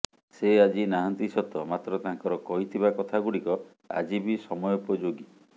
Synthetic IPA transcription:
sead͡ʒinaɦant̪isɔt̪ɔmat̪ɾɔt̪aɦŋkɔɾɔkɔɦit̪ʰibakɔt̪ʰaɡuɽikɔ | a̰d͡ʒibisɔmɔjɔupɔd͡ʒoɡi

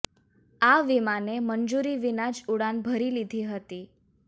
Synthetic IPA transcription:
aʋimanemənd͡ʒuɾiʋinad͡ʒuɽanbʱəɾilid̪ʱiɦət̪i

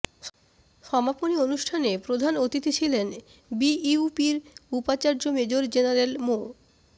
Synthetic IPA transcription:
ʃɔmaponionuʃʈʰanepɾod̪ʱanot̪it̪it͡ɕʰilen | biiupiɾupat͡ɕaɾd͡ʑomed͡ʑoɾd͡ʑenaɾelmo

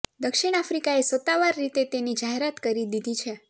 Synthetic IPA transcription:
d̪əkʃiɽ̃afɾikaesʋət̪ːaʋaɾːit̪et̪enid͡ʒaɦeɾat̪kəɾid̪id̪ʱit͡ʃʰe

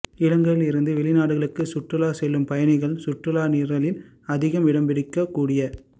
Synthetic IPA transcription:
ɪɽɐŋɡɐɪlɪɾɯnd̪ɯʋɛɭɪnaːɽɯɣɐɭɯkːɯsʊʈrɯlaːsɛlːɯmpɐjɐnɪɣɐɭsʊʈːrɯlaːniːɾɐɭɪn | ɐðɪɣɐmʋɪɽɐmbɪɽɪkːɐkːuːɽɪjɐ

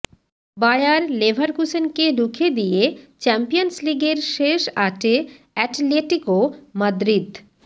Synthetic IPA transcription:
bajaɾlebʱaɾkusenked̪ukʰed̪ijet͡ɕɛmpijonsliɡeɾʃeʃaʈe | ɛʈleʈikomɐd̪ɾid̪

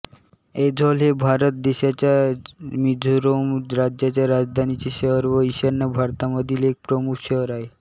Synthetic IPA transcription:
ed̪ʱɔlebʱaɾɔt̪̚d̪eʃat͡ɕamid̪ʱuɾomɾad͡ʑd͡ʒat͡ɕaɾad͡ʑd̪ʱanit͡ɕeʃəɾʋoiʃaɾnabʱaɾt̪amɔd̪ilek̚pɾɔmukʰʃəɦɾae

